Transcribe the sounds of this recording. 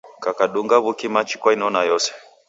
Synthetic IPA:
kakaɗuŋɡaβukimat͡ʃi̥kwainɔnajɔsɛ̥

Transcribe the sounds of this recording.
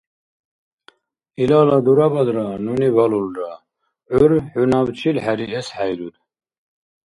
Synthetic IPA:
ilalad̪uɾabad̪ɾanunivalulɾa | uɾħunavt͡ʃʰilħæɾiɛsħæjɾud̪

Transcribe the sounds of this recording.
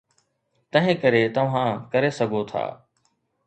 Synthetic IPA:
t̪ɐ̃ɦɪ̃kɐɾet̪ɐʋ̤ãkɐɾesɐɡʱot̪ʰa̰ː

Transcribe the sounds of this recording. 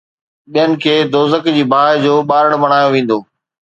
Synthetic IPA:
ɓijənɪ̆kʰeːd̪oːzəkd͡ʑiːbʱaːd͡ʑoːɓaːɾəɽ̃ɓɐɽ̃aːjoʋẽːn̆d̪oː

